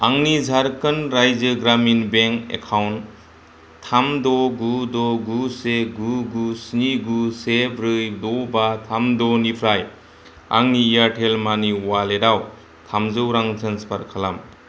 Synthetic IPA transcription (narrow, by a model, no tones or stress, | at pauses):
aŋnizʱaɾkɯnɾajzəɡɾaminbeŋkḛkʰawn | tʰːamdɔɡudɔɡuseɡuɡusniɡusepʰɾɯjdɔbatʰamdɔnipʰɾaj | a̰ŋniːjaɾʈʰelmaniwaleɾaw | tʰamzɯwɾaŋtʰənspʰaɾkʰalam